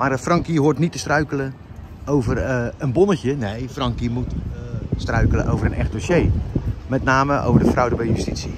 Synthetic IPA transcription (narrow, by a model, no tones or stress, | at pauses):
marfrɑŋkiɦoːtnitəstrœɥkələ | owvərənbonəcjənejfrɑŋkimutstrœɥkələʔowvərənɛ̰xt̚dosjeːmɛtnaːməʔo̰wvərdəfrɔwdəbɛjjystisi